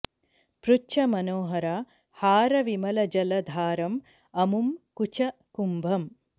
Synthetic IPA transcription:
pɾut͡ʃʰɐmɐnoːɦɐɾaː | haːɾɐʋimɐlɐd͡ʒɐlɐd̪ʱaːɾɐm | ɐmumkut͡ʃʰɐkumbʱɐm

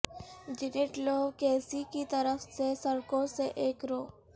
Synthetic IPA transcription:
d͡ʒɪnɪʈloːʋkeːsikit̪ɐɾəfsesəɾkõseʔeːkɾoː

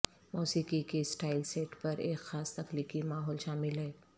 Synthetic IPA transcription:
moːsiːkikesʈaːɪlseːʈpɐɾeːkxaːst̪ɐxliːkimaːɦɔːlʃaːmɪlɦɛː

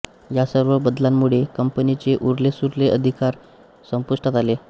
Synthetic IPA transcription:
jasəɾʋəbəd̪lamːuɭekəmpənit͡seʔuɾlesuɾleʔəd̪ʱikaɾ | səmpuʂʈat̪ale

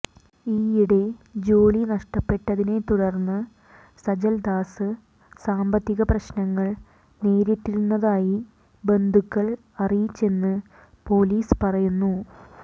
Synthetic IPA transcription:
iːjiɽe̞d͡ʑo̞ːlinɐʂʈɐpːe̞ʈːɐðine̞t̪uɽɐrnːɨ | sɐd͡ʑɐld̪aːsɨ | saːmbɐt̪ːiɣɐprɐɕnɐŋːɐɭ | ne̞ːɾitːiɾunːɐðaːji | be̞nd̪ʱukːɐɭ | ɐrijit͡ɕːe̞nːɨ | po̞ːliːspɐrɐjunːu

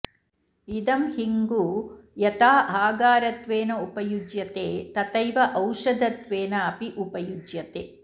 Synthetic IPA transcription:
id̪ɐmhiŋɡuːjɐt̪aːɦaːɡaːɾɐt̪ʋeːnɐupɐjud͡ʒjɐt̪eːt̪ɐt̪ɐjʋɐʔɐwʃɐd̪ɐt̪ʋeːnɐaːpiʔupɐjud͡ʒjɐt̪eː

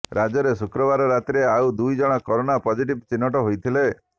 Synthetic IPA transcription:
ɾad͡ʒɔɾesukɾɔbaɾɔɾat̪ɾeawd̪ujd͡ʒɔɽ̃ɔkɔɾonapɔd͡ʒiʈibt͡ʃinːɔʈɔɦojt̪ʰile

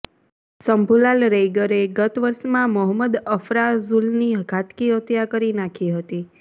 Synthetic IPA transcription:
səmbʱulalɾejɡəɾeɡət̪ʋəɾʃmãməɦəməd̪əfɾazulniɡʱat̪kiɦət̪jakəɾinakʰiɦət̪i

